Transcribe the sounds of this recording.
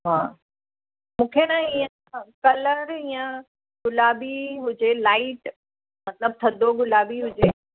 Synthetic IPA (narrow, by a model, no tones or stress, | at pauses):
ɦaː | mũːkʰenãiə̃ | kɐləɾijə̃ | ɡʊlaːbiɦʊd͡ʑelaːɪʈ | mɐt̪ləb̚t̪ʰɐd̪ʱoɡʊlaːʋiɦʊd͡ʑeː